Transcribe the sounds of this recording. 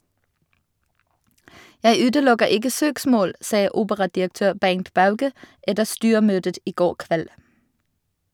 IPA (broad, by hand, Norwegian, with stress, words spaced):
ˈjæɪ ˈʉːdəˌlʊɡəʁ ˈɪɡə ˈsøːkˌsmoːl ˈsɑː ˈuːbəʁɑdɪəkˌtøːʁ ˈbæŋt ˈbɑʉɡə ˈɛdəʁ ˈstyːəˌmøːdət ˈiː ˈɡoːʁ ˈkʋɛl